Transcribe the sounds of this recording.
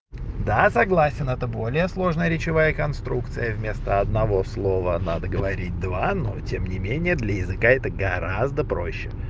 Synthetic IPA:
d̪asɐɡlˠasʲɪnɛt̪əbo̞lʲɪjəslˠo̞ʐnəjəɾʲɪt͡ɕɪvajəkɐnst̪ɾukt̪sɨjəvmʲe̞st̪əɐd̪nɐvo̞slˠo̞vənad̪əɡəvɐɾʲit̚ʲd̪vanotʲemnʲɪmʲenʲɪjəd̪lʲəjɪzɨkaɛt̪əɡɐɾazd̪əpɾo̞̰ɕːɪ

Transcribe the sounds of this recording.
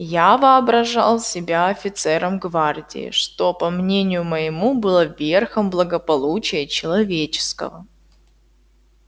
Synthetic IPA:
javɨɐbɾɐʐa̰lˠsʲɪbʲaɐfʲɪt̪sɛɾʔəmɡvardʲɪ̰ɪ̰ʂt̪o̞pɐmnʲenʲɪjʊməɪmubɨlˠəvʲerxəmblˠəɡəpɐlˠut͡ɕɪjət͡ɕɪlˠɐvʲet͡ɕɪ̥skə̰və

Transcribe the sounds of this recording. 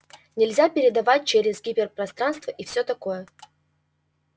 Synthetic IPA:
nʲɪlʲzʲapʲɪɾʲɪd̪ɐvat̚ʲt͡ɕeɾʲɪzɡʲipʲɪrpɾɐst̪ɾanst̪vəʔifsʲot̪ɐko̞jə

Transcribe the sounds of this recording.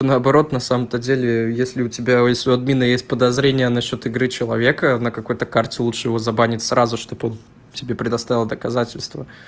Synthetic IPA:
onəɐbɐɾo̞t̪nɐsaməmt̪ədʲelʲɪjesʲlʲɪʊtʲɪbʲajesʲoɐd̪̚mʲinəjesʲt̚ʲpəd̪ɐzɾʲenʲɪjənɐɕːo̞t̪ɨɡɾɨt͡ɕɪlˠɐvʲe̞kənəkɐko̞jt̪əkartʲɪlˠutʂɨjɪvo̞zɐbanʲɪtʲsɾʔazʊʂt̪o̞bo̞n | tʲɪbʲepɾʲɪd̪ɐst̪avʲɪlˠd̪əkɐzatʲɪlʲst̪və

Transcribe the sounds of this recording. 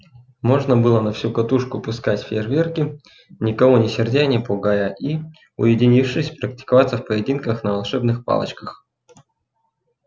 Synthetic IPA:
mo̞ʐnəbɨlˠənɐfsʲukɐt̪uʂkʊpʊskatʲfʲervʲerkʲɪ | nʲɪkɐvonʲɪsʲɪrdʲenʲɪpʊɡajəʔi | ʊjɪdʲɪnʲifʂɨsʲpɾəktʲɪ̥kɐvat̪səfpəjɪdʲinkəxnəvɐlˠʂɛbnɨxpa̰lˠə̰t͡ɕkəx

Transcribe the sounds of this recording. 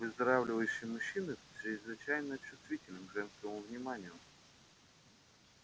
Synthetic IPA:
vɨzd̪ɐɾavlʲɪvəjɕːɪjmʊɕːinɨʂɪzvɨt͡ɕæjnəɐt͡ɕːʊst̪vʲitʲɪlʲnɨmʐɛnskəmʊvnʲɪmanʲɪjʊ

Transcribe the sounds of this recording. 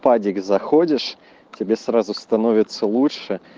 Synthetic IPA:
padʲɪɡzɐxodʲɪʂ | tʲɪbʲesɾazʊst̪ɐnovʲɪt̪sːəlˠuʂɨ

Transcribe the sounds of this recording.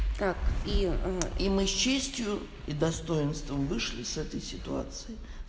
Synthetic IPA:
t̪akiimɨst͡ɕːesʲtʲjʊ | id̪ɐst̪ojɪnst̪vəmvɨʂlʲɪsɛt̪əjsʲɪt̪ua̰t̪sɨɪ

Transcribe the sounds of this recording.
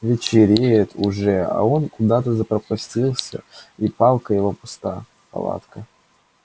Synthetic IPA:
vʲɪt͡ɕɪɾʲejət̪ʰʊʐɛɐ̰o̞nkʊd̪at̪əzəpɾəpɐsʲtʲilˠsʲə̰ipalˠkəjɪvopʊst̪a | pɐ̰lˠa̰t̪kə

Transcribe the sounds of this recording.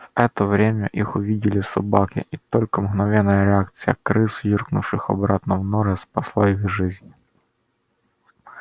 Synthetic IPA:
vɛt̪əvɾʲemʲəʔixʊvʲidʲɪlʲɪsɐbakʲɪ̰ʔit̪olʲkəmɣnɐvʲɛnːəjəɾʲɪak̚t̪sɨjəkɾɨsjirknʊfʂɨxɐ̰bɾat̪nɐvnɔɾɛspɐslˠaiɣʐɪzʲnʲ

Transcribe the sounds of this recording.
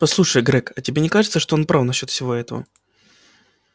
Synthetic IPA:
pɐslˠuʂəjɡɾɛkɐtʲɪbʲenʲɪkaʐɨt̪səʂt̪oonpɾafnɐɕːo̞t̪fsʲɪvo̞ɛt̪əvə̰

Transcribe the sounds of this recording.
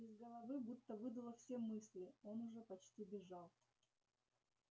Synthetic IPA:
ɪzɡəlˠɐvɨbut̪ːəvɨd̪əlˠəfsʲemɨsʲlʲɪo̞nʊʐɛpɐt͡ɕtʲibʲɪʐɑlˠ

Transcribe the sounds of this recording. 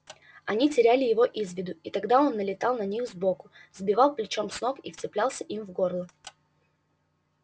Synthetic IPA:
ɐnʲitʲɪɾʲælʲɪjɪvo̞ʔizvʲɪd̪ʊit̪ɐɡd̪ao̞nːəlʲɪt̪ɑlˠnɐnʲixzbo̞kʊzbʲɪvɑlˠplʲɪt͡ɕo̞msno̞kift͡sʲɪplʲalˠsʲəʔimvɡo̞rlˠə

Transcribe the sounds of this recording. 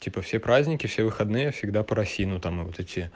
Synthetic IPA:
tʲipəfsʲepɾazʲnʲɪkʲɪfsʲevɨxɐd̪nɨjəfsʲɪɡd̪apəɾɐsʲinʊt̪amɨvot̪ɛtʲɪə

